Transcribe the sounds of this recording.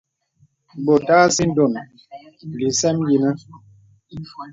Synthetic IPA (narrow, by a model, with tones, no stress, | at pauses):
bo˨taː˦si˦n̩˦do˨n˨ | li˨sɛ˦mji˨nə˦